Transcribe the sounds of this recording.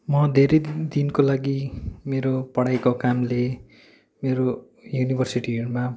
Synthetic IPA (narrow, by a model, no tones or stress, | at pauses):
mʌd̪ʱeɾejd̪inkolaɡimeɾopʌɽajkokamle | meɾo | junibʱʌrsiʈima